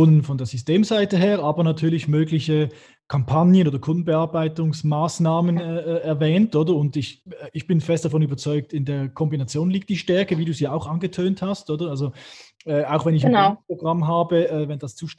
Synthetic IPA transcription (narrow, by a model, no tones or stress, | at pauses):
ʊnənfɔndeːɐzysteːmzaɪtəɦeːʁaːbɐnatʰyːɐlɪçmøːɡlɪçə | kʰampʰanjənoːdɐkʰʊndn̩bəaːɐbaɪtʊŋsmaːsnaːmənɛːɛɐvɛːntʔoːdɐʊntɪçɪçb̥ɪnfɛstd̥afɔnyːbɐt͡sɔʏk̚tɪndeːɐkʰɔmbinat͡sjoːnliːk̚t̚d̥iːʃtɛɐkəviːduːziaʊxʔanɡətʰøːnthastʔoːdɐalzoɛːaʊxvɛnɪçpʁ̥oɡʁamɦaːbəʔɛːvɛnd̥ast͡suːʃ